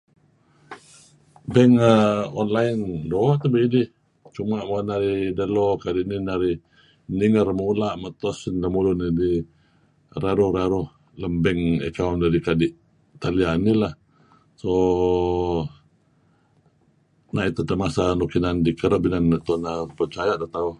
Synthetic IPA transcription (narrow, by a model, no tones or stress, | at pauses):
bɛŋəɔnlaindoʔt̪əbiidɪh | t͡ʃumaʔmonaɾidəlokadiʔninaɾi | niŋərmulaʔmət̪ɔsinləmulunidi | raɾuhɾaɾuh | ləmbɛŋə̰kawndadikadiʔ | t̪alianilah | so | naʔit̪ut̪əmasanukinandikəɾəbinanət̪unapərt͡ʃajaʔd̪at̪au